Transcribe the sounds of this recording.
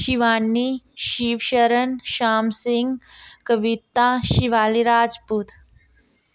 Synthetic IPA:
ʃiʋaːnːiʃiːʋʃəɾənʃaːmsiŋɡkəʋit̪aʃiʋaːliɾaːd͡ʒpuːt̪

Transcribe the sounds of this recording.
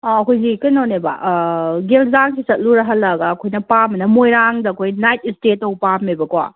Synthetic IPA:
ɔɐkʰojzikɐnoneba̰ʔɡelzaŋsisɐt̚luɾɐɦɐlːɐɡɐːkʰojnɐpamɐnɐmojɾaŋdɐɐkʰojnajtistetɐwpamebɐkwa̰

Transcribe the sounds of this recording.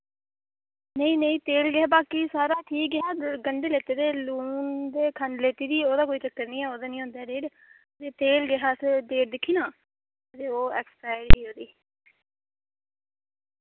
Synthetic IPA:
nəĩːnəĩːt̪eːlɡɪaːbaːkisaːɾaːʈʰiːk̚ɡɪɦaːɡəɳɖeːleːt̪eːd̪eːluːnd̪eːkʰənleːt̪iːd̪iːoːd̪aːkoːiːt͡ʃəkːəɾnĩːɛːoːd̪aːnĩːɦõːnd̪aːɖeːʈ | t̪eːt̪eːlɡɪɦaːsed̪eːʈ̚d̪ɪkʰːiːnaː | t̪eːoːɛːkspaːɪɾiːoːd̪iː

